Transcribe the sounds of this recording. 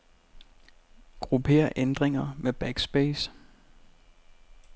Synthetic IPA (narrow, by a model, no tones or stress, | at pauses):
ɡ̥ʁupʰe̝̰ːɐʔend̥ʁeŋɐmeb̥æɡ̥sb̥eːs